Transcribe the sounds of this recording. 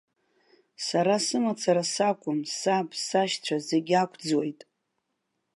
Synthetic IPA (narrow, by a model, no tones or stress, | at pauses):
saɾasɨmat͡sʰaɾasakʷʼʊmsapsaʃt͡ɕʷʰazeɡʲakʷʰd͡zwo̞jtʼ